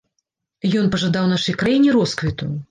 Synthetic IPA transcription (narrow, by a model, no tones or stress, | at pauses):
jɔnpɐʐad̪awnaʂɐjkɾajinʲiɾɔskvʲit̪ṵ